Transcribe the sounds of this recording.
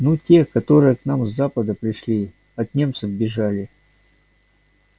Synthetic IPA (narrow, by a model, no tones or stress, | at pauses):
nutʲekɐt̪o̞ɾɨjəknamzːapəd̪əpɾʲɪʂlʲi | ɐt̪nʲe̞mt̪sɨvbʲɪʐalʲɪ